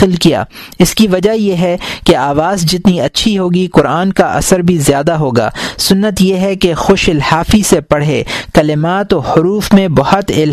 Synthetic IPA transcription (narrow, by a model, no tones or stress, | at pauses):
ɪlkija̰ːɪskiʋɐd͡ʒajeɦɛkeaːʋaːzd͡ʒɪt̪niɐtːʃʰiɦoːɡikʊɾaːnkaʔɐ̰səɾbʱizjaːd̪aɦoːɡa̰ːsʊnːət̪jeɦɛkexʊʃɪlhaːfisepɐɽ̤ekɐlɪmaːt̪ɔhʊɾuːfmẽbɐhʊt̪ɪl